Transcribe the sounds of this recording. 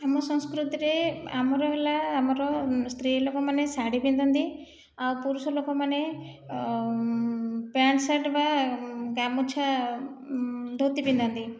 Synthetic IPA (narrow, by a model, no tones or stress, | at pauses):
amɔsɔ̃ŋskɾut̪iɾeamɔɾɔbelaːmɔɾɔst̪ɾilokɔmanesaɽipind̪ɔnd̪i | awpuɾusɔlokɔmane | paɳsaʈbaɡamut͡ʃʰa | d̪ʱot̪ipind̪ɔnt̪i